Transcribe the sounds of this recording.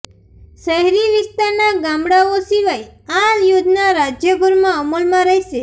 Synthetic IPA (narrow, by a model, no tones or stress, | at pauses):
ʃəɦɾiʋɪst̪aɾnaɡamɽaosiʋajaljud̪naɾad͡ʒjəbʊɾmãəməlmãɾəɦiʃe